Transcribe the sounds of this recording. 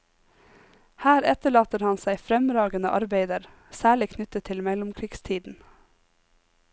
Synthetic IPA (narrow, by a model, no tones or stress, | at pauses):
hæːɾɛt̪əɭɑːt̪əɾhɑnsæɪfɾɛmɾɑːɡənə̰ʔɑɾbeɪd̪əɾ | sæːɭɪkʰnʏt̪ət̪ʰɪlmɛlʊmkʰɾiɡst̪ʰiːd̪n̩